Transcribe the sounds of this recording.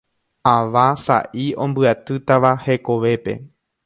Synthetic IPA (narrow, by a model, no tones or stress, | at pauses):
aʋasa̰ʔiõ̞mbɨat̪ɨt̪aʋahe̞ko̞ʋe̞pe̞̰